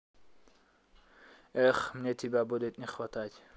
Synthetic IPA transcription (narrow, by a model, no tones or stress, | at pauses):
ɛχmnɛt̪ʰibabɔd̪ɛt̪ʼniχwat̪ʰaːt̪ʰʲ